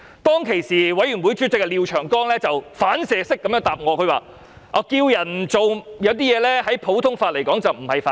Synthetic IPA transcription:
t̪ɔː˥ŋkʰe˨˩jsiː˨wɐ˨˥jɥy˨˩nwuː˨˥jt͡ʃyː˥t͡sɪ˨kːɛ˧liː˨wt͡ʃʰœː˨˩ŋkɔː˥ŋlɛː˥t͡sɐ˨wfaː˨˥nsɛː˨˧sɪ˥kːɐ˨mjœː˥ŋt̪aː˨p̚ŋɔː˨˧kʰɵ˨˧ɥwaː˨˩ | ʔɔː˨˧kiː˧wjɐ˨˩nt͡so˨wjɐ˨˧wt̪iː˥jɛː˨˧lɛː˥hɐ˨˥jpʰo˨˥wt̪ʰʊ˥ŋfaː˧t̚le˨˩jkɔː˨˥ŋt͡sɐ˨wm̩˨˩hɐ˨jfaː˧

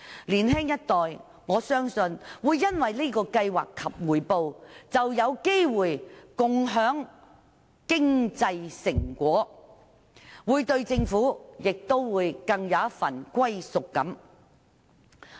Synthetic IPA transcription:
liː˨˩nɦɪ˥ŋjɐ˥t̚t̪ɔː˨j | ŋɔː˨˧sœː˥ŋsɵ˧nwuː˨˧jːɐ˥nwɐ˨jliː˥kɔː˧kɐ˧jwa̰ː˨kʰːɐ˨p̚ŋuː˨˩jpo˧wt͡sɐ˨wjɐ˨˧wke˥jwuː˨˩jkʊ˨ŋɦœː˨˥ŋ | kɪ˥ŋt͡sɐ˧jsɪ˨˩ŋkʷɔː˨˥ | wuː˨˧jt̪ɵ˧ɥt͡sɪ˧ŋfuː˨˥jɪ˨k̚t̪o˥wwuː˨˧jkɐ˧ŋjɐ˨˧wɐ˥fɐ˨˩nkʷɐ˥jsʊ˨kːɐ̰˨˥m

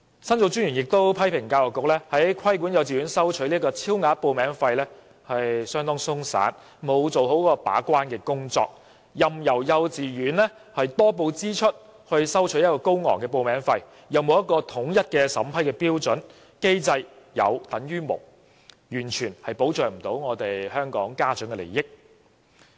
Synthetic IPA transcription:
sɐ˥nt͡so˧wt͡syː˥njyː˨˩njɪ˨k̚t̪o˥wpʰɐ˥jpʰɪ˨˩ŋkaː˧wɔ˨˩kʊ˨k̚lɛː˥hɐ˨˥jjkʰɐ˥jk̬uː˨˥njɐ˨˧wt͡siː˨ɥyː˨˥nsɐ˥wt͡ʃʰɵ˨˥liː˥kɔː˧t͡sʰiː˥wŋaː˨˥t̚po˨˧wmɛː˨˥ŋfɐ˧jlɛː˥ | hɐ˨jsœː˥ŋt̪ɔː˥ŋsʊ˥ŋsa̰ː˨˥n | mo˨˧wt͡so˨wɦo˨˥wkɔː˧pa̰ː˨˥kʷwaː˥nkɛː˧kʊ˥ŋt͡sɔ̰ː˧k̚ | jɐ˨mjɐ˨˩wjɐ˨˧wt͡siː˨ɥyː˨˥nlɛ˥ | hɐ˨jt̪ɔː˥p̬o˧wt͡siː˥t͡ʃʰɵ˥t̚ | hɵ˧ɥsɐ˥wt͡ʃʰɵ˨˥jɐ˥t̚kɔː˧ko˥wŋɔ̰ː˨˩ŋkɛː˧p̬o˧wmɛː˨˥ŋfɐ˧j | jɐ˨wmo˨˧wjɐ˥t̚kɔː˧t̪ʰʊ˨˥ŋjɐ˥t̚kɛː˧sɐ̰˨˥mpʰɐ˥jkɛː˧piː˥wt͡sɵ˨˥n | ke˥jt͡sɐ˧j | jɐ̰˨˧wt̪ɐ˨˥ŋɥyː˥mʊ̰˨˩w̚ | jyː˨˩nt͡ʃʰyː˨˩nhɐ˨jpo˨˥wt͡sœː˨˩ŋ̚m̩˨˩t̪o˨˥wŋɔː˨˧t̪e˨jhœː˥ŋkɔ̰ː˨˥ŋkaː˥t͡sœ˨˥ŋkɛː˧le˨˩jɪ˥k̚

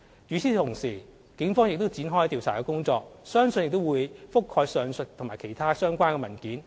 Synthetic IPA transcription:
t͡ʃy˨˥t͡sʰiː˨˥t̪ʰʊ˨˩ŋsiː˨˩ | kɪ˨˥ŋfɔː˥ŋjɪ˨k̚t̪o˥wt͡siː˨˥nɦɔː˥jt̪iː˧wt͡sʰaː˨˩kɛː˧kʊ˥ŋt͡sɔː˧k̚sœː˥ŋsɵ˧njɪ˨k̚t̪o˥wuː˨˧jfʊ˥kʰːɔː˧jsœː˨ŋsɵ˨t̚t̪ʰʊ˨˩ŋmaː˨˩kʰe˨˩jt̪ʰaː˥sœː˥ŋkʷaː˥nkɛː˧mɐ˨˩nkiː˨˥n

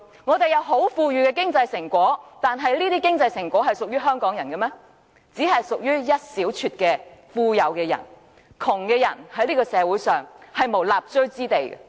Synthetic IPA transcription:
ŋɔː˨˧t̪e˨jɐ˨˧wɦo˨˥wfuː˧ɥyː˨˧kɛː˧k̬ɪ˥ŋt͡sɐ˧jsɪ˨˩ŋkʷɔː˨˥t̪aː˨nɦɐ˨jliː˥t̪iː˥kɪ˥ŋt͡sɐ˧jsɪ˨˩ŋkʷɔː˨˥hɐ˨jsʊ˨k̚jɥyː˥ɦœː˥ŋkɔː˨˥ŋjɐ˨˩nkɛ˧mɛː˥ | t͡siː˨˥hɦɐ˨jsʊ˨k̚jyː˥jɐ˥t̚siː˨˥wt͡ʃʰyː˧t̚kɛː˧fuː˧jɐ˨˧wkɛː˧jɐ̰˨˩n | kʰʊ˨˩ŋkɛː˧jɐ̰˨˩nhɐ˨˥jliː˥kɔ˧sɛː˨˧wuː˨˥jsœː˨˩ŋhɐ˨˩jmo˨˩laː˨p̚t͡ʃɵ˥ɥt͡siː˥t̪e˨jɛ̰˧

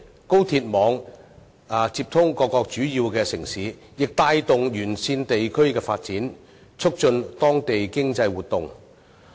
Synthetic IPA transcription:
ko˥wt̪ʰiː˧t̚mɔː˨˧ŋ | a˨t͡siː˧p̚t̪ʰʊ˥ŋkɔː˧kːɔː˧k̚t͡ʃyː˨˥jiː˧wkɛː˧sɪ˨˩ŋsiː˨˥ | jɪ˨k̚t̪aː˧jt̪ʊ˨ŋjyː˨˩nsiː˧nt̪e˨jkʰɵ˥ɥkɛː˧faː˧t̚t͡siː˨˥n | t͡ʃʰɵ˥k̚t͡ʃɵ˧nt̪ɔː˥ŋt̪e˨jkɪ˥ŋt͡sɐ˧jwuː˨˩t̚t̪ʊ˨ŋ

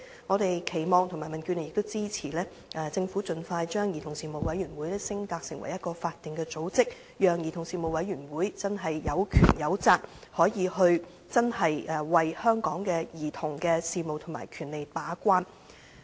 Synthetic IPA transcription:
ŋɔː˨˧t̪e˨jkʰe˨˩jmɔː˨ŋt̪ʰʊ˨˩maː˨˩jmɐ˨˩nkyː˧nle˨jɪ˨kt̪wt͡siː˥t͡sʰiː˨˩lɛː˥ | ʔɛː˧˩t͡sɪ˧ŋfuː˨˥t͡sɵ˨nfaː˧jt͡ʃœː˥ŋji˨t̪ʰʊ˨˩ŋsiː˨˩mo˨wɐ˨˥jɥyː˨˩nwuː˨˥jlɛ˥sɪ˥ŋkaː˧k̚sɪ˨˩ŋwɐ̰˨˩jɐ˥t̚kɔː˧faː˧t̚t̪i˨ŋkɛː˧t͡so˨˥wt͡sɪ˥k̚ | jœː˨˩ŋjiː˨˩t̪ʰʊ˨˩ŋsiː˨mo˨wɐ˨˥jyː˨˩nwuː˨˥jt͡sɐ˥nɦɐ˨jjɐ˨˧wkʰyː˨˩njɐ˨˧wt͡saː˧k̚hɔː˨˥jiː˨˧ɦɵ˧ɥ | t͡sɐ˥nɦɐ˨jʔɛ˧wɐ˨jhœː˥ŋkɔː˨˥ŋkɛː˧jiː˨˩t̪ʰʊ˨˩ŋkɛː˧siː˨mo˨˧wt̪ʰʊ˨˩ma̰ː˨˩jkʰyː˨˩nle˨jpaː˨˥kʷaː˥n

